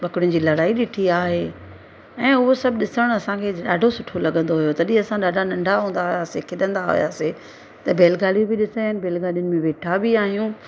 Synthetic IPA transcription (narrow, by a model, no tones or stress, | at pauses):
bɐkɽʊnɪ̆d͡ʑiːlɐɽaːiɗɪʈʰiaːɦeː | ɛ̃ːʊɦosɐbɗɪsəɽ̃ɐsãkʰeːɗaːɖʱosʊʈʰolɐɠə̃nd̪oɦʊjot̪ɐɗɪ̃ɐsãɗaːɖʱanɐ̃ɳɖʱaɦũːn̆d̪aɦʊjasekʰɪɗə̃nd̪aɦʊ̰ja̰ːse | t̪ɐbʱeːlɡaːlijũbɪɗɪsəɪnɪ̆bʱeːlɡaːlijʊnɪ̆mẽʋeːʈʰabɪaːɦijũ